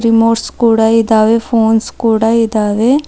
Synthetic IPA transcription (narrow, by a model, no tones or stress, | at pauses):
ɾimoːʈskuːɽaːid̪aːʋeːpʰoːnskoːɽaːid̪aːʋeː